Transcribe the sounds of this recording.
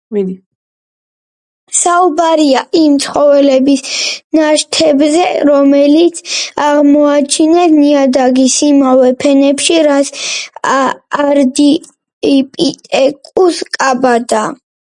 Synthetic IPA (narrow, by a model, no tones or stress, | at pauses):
saubaɾiaʔimt̪sʰχɔvɛlɛbisnaʃt̪ʰɛbzɛɾɔmɛlit̪sʰaʁmɔat͡ʃʰinɛsniad̪aɡisimavɛpʰɛnɛpʃiɾat̪s | aɾd̪i | ipʼit̪ʼɛkʼuskʼabad̪a